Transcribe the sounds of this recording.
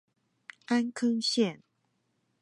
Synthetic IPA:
a˦nkʰɤ˥ŋɕjɛ˥˨n

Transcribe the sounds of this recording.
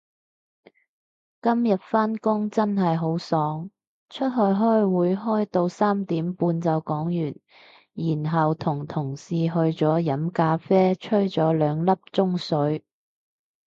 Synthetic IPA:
kɐ˥mjɐ˨t̚faː˥nkʊ˥ŋt͡sɐ˥nɦɐ˨jɦo˨˥wsɔː˨˧˥ŋ | t͡ʃʰɵ˥t̚ɦɵ˧ɥɦɔː˥jwuː˨˧jɦɔː˥jt̪o˧wsaː˥mt̪iː˨˥mpuː˧nt͡sɐ˨˧wkɔː˨˥ŋjyː˨˩n | jiː˨˩nɦɐ˨wt̪ʰʊ˨˩ŋt̪ʰʊ˨˩ŋsiː˨ɦɵ˧ɥt͡sɔː˨˥jɐ˨˥mkaː˧fɛː˥t͡ʃʰɵ˥ɥt͡sɔː˨˥lœː˨˧ŋlɐ˥p̚t͡sʊ˥ŋsɵ˨˥ɥ

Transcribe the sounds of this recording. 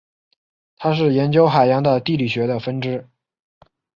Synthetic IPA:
t̪ʰa˥ʂ̬ɻ̩˥˩jɛ˧˥nt͡ɕjo˥ʊxa˨˩ɪjɑ˧˥ŋd̪ə˧t̪i˥˩li˨˩ɕɥɛ˧˥d̪ə˧fə˥nʈ͡ʂɻ̩˥

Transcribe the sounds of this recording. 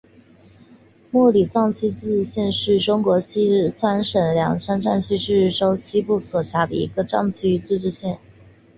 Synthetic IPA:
mwɔ˥˩li˨˩t͡sɑ˥˧ŋt͡ɕʰy˥t͡s̩˥˧˥ʈ͡ʂɻ̩˥˧ɕjɛ˥˧nʂɻ̩˥˩ʈ͡ʂʊ˥ŋkwɔ˧˥ɕi˥˧swa˥nʂə˨˩nljɑ˧˥ŋsa˥nʈ͡ʂa˥˧nt͡ɕʰy˥˧ʂɻ̩˥˩ʈ͡ʂo˥ʊɕi˥pu˥˩swɔ˨˩ɕja˧˥d̪ə̰˧ḭ˧˥ɡə˧ʈ͡ʂɑ˥˩ŋt͡ɕʰy˥˧t͡sɹ̩˥˧ʈ͡ʂɻ̩˥˧ɕjɛ˥˩n

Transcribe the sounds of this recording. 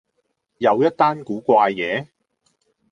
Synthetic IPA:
jɐ˨˧wjɐ˥t̚t̪aː˥nkuː˨˥kʷaː˧jːɛː˨˦

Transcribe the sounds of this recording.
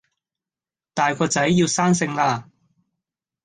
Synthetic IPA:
t̪aː˨jkʰɔː˧t͡sɐ˨˥jːiː˧wsaː˥nsɪ˧ŋlaː˧

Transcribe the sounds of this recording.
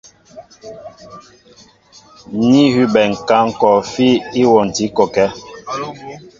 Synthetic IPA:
ni˦hʉ˦ɓɛ˨ŋ̩˨ka˦˨ŋ̩˦˨kɔ˨fi˦i˦wɔ˨n˨ti˨˦kɔ˨kɛ˦

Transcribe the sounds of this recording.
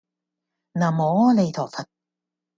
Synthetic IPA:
naː˨˩mɔː˨˥˦le˨˧t̪ʰɔː˨˩fɐ˨˩t̪̚

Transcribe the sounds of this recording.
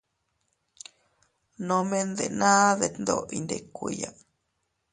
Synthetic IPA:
nõ˧mẽ˦nd̪e˨nãː˦ðe˨nd̪o˧ḭ˧nd̪e˧kʷi˧ja˧

